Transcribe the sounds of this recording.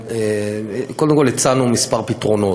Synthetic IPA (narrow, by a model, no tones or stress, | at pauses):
ekold̪emkolet͡sanumispaʁpit̪ʁo̞no̞